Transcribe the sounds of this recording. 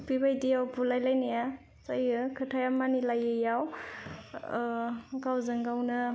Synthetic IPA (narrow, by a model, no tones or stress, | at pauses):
pibajdijawbulajlajnaja | sajɯkʰɯtʰajamanilajɯjaw | kawzɯŋɡawnɯ